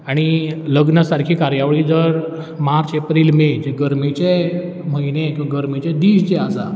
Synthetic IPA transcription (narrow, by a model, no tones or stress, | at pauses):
aɽ̃iləɡnəsaɾkʰiːkaɾjaʋɭiːd͡zəɾ | maɾt͡sepɾiːlmed͡zeɡəɾmit͡ɕe | m̤əinẽkɡəɾmit͡ɕɛd̪iːɕd͡zɛasa